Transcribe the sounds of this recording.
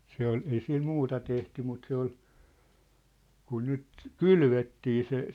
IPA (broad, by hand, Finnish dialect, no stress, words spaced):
se ol ei sil muːtɑ tehty mut se ol kun nyt kylʋetːiː se